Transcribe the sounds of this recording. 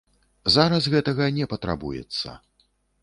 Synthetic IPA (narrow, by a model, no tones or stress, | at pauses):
zaɾɐsɣɛt̪ɐɣɐnʲɛpɐt̪ɾa̰bujɛ̰t̪sːɐ̰